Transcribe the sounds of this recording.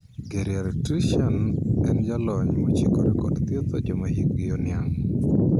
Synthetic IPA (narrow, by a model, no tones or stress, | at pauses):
ɡeɾjaɾtiʃɛnɛnd͡ʒalɔɲmot͡ʃikoɾekɔ̰dt̪jet̪od͡ʒɔmahik̚ɡɪonɪjaŋ